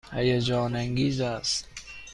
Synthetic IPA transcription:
hæjad͡ʒɒːnæŋɡiːzæst̪

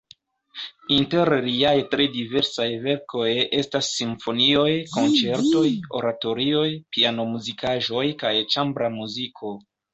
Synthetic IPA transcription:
inte̞ɾliajtɾe̞dive̞ɾsajve̞ɾkʰo̞je̞stasːiɱfo̞nio̞jko̞nt͡se̞ɾto̞jo̞̰ɾato̞ɾio̞jpiano̞muzikʰaʒo̞jkajt͡ʃambɾamuzikʰo̞

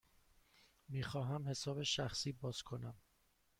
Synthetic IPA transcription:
miːxɒːɦæmhe̞sɒːbe̞ʃæxsiːbɒːz̥kʰo̞næm

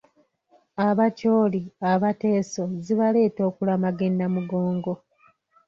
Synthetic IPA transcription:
aβaco̞ːliaβate̞ːso̞ziβale̞ːto̞ːkulamaɡe̞nːamuɡo̞ːŋɡo̞

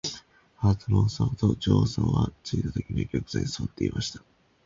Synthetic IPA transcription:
haːt̪omõsat̪o̞d͡ʑoːsãɰ̃βat͡sɨit̪at̪ekʲiɲʲikʲokɯ̟z̥ẽɲ̃ĩsβat̪ːe̞imʔaɕi̥t̪ḁ

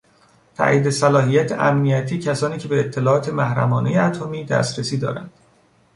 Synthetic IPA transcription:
t̪ʰæ̰ʔiːd̪esælɒːɦijæt̪ʰeʔæmnijæt̪ʰiːcʰæsɒːniːcʰe̞beːt̪ʰːe̞lɒːɒːt̪ʰe̞mæhɾæ̰mɒːnejeæt̪ʰomiːd̪æ̰ːst̪ɾesiːd̪ɒ̰ːɾæ̰nd̪̥

